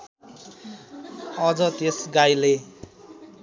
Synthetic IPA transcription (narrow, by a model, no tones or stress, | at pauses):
ʌd͡zʌt̪esɡajle